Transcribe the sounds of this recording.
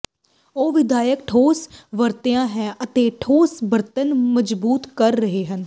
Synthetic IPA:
oːʋɪd̪ʱaːjəkʈʰoːsʋəɾt̪ejãːɦɛ̃ːʔət̪eːʈʰoːsbəɾt̪ənməd͡ʒbuːt̪kəɾːəɦeːɦən

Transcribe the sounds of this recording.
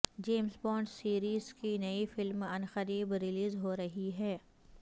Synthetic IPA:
d͡ʒeːmsbɔːɳɖsiːɾiːzkinɐifɪlmɐnxəɾiːbɾɪliːzɦoɾɐɦiɦɛː

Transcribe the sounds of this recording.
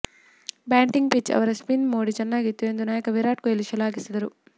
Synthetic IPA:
baːɳʈiŋɡpit͡ʃːɐ̰ʋɐɾɐspinmoːɽit͡ʃɐnːaːɡit̪ːuend̪unaːjɐkɐʋiɾaːʈ̚kueliʃɐlaːɡisɐd̪ɐɾu

